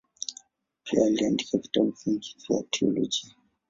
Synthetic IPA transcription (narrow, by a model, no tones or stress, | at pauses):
pʰialiandikavi̥tabufund͡ʒizia̰tʰiɔ̰lɔd͡ʒi